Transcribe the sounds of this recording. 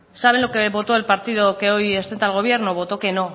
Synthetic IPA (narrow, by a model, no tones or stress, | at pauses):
saβ̞e̞nlo̞ke̞βo̞t̪o̞e̞lpaɾt̪iðo̞ke̞o̞jest̪ent̪alɣ̞o̞β̞je̞ɾnoβ̞o̞t̪o̞ke̞no̞